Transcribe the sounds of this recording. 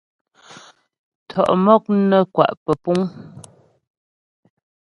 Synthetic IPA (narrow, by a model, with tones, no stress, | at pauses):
tʰɔ˨ʔmɔ˦k̚nə˦kwa̰˨ʔpə˨pu˦ŋ